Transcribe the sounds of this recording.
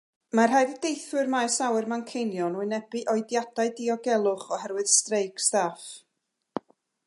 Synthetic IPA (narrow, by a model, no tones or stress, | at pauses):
marɦaɨðədejθwɨrmajsawɨrmankʰejnjɔnuɨnɛbiʔɔjdjad̥aɨdiɔɡɛlˠʊχɔhɛrwɨð̥strejkstaf